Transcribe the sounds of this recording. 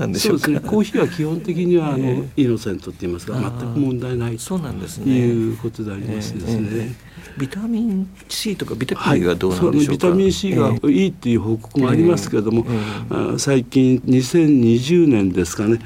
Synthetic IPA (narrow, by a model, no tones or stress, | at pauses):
d̪soːd̪esɨneeko̞ːçiβakʲihõ̞nt̪ek̬ʲiɲ̟iβaːno̞ino̞sẽ̞nt̪o̞t̪ːeiːmasɨɡamat̪ːakɯmõ̞nd̪aenait̪onnesjɯːko̞t̪o̞d̪e̞aɾʲimasɨd̪e̞sɨne̞ | bʲit̪amʲĩn | ɕiːt̪okabʲit̪ahaɡad̪oːsonnbiit̪amʲĩɰ̃ɕiːɡaiːt̪o̞jɯ̟ːɦo̞ːko̞̥kɯ̟moaɾʲimasɨ̥ke̞ɾed̪omo̞a̰saikʲĩnɲisẽ̞ɲɲiʑɨːnẽ̞nd̪e̞sɨ̥kane̞